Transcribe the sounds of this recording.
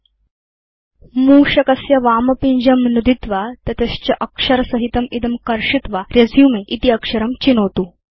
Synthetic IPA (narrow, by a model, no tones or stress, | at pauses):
muːɕɐkɐsjaʋamɐpiɲd͡ʑɐmnud̪it̪ʋat̪ɐt̪est͡ɕɐʔɐkʂəɾsəɦit̪ɐmid̪əmkɐɾʂit̪ʋaɾjɐd͡zʱjumeʔit̪iɐkʂəɾəmt͡ɕinot̪u